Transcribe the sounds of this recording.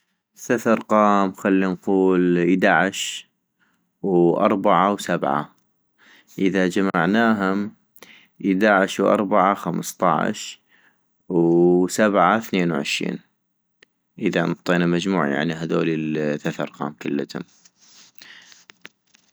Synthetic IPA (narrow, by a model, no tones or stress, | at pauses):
θaθɑɾˤqɑːmxalːinquːləd̪aʕɪʃ | wʔɑ̰ɾˤbaʕawsabʕa̰ | ʔɪðad͡ʒamaʕnaːɦʊm | ʔɪd̪aʕɪʃwʔɑ̰ɾˤbaʕaxamst̪ˤɑ̰ʕ̰ʃ | wsabʕaθneːnwʕɪ̰ʃɾḭːn | ʔɪðanʊt̪ˤːiːnamad͡ʒmuːʕa̰ja̰ʕniɦad̪o̰ːlilθaθɑ̰ɾˤqɑ̰ːmkʊlːət̪hʊ̰m